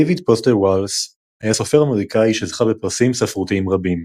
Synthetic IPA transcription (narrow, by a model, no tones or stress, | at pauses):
dejvid̪̚posteʁwals | hajaso̞fe̞ʁameʁikaiʃezχabepaʁsimsafʁut̪iimʁabim